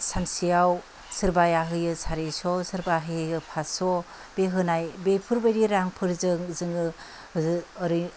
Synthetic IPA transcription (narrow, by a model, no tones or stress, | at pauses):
sansijaw | sɯɾbajaɦɯjɯsʰaɾesɔsɯɾbaɦɯjɯjɯpʰasɔ | b̥eɦɯnajbepʰɯɾbajɾiɾaŋpʰɯɾzɯŋzɯŋɯ | ɾɯ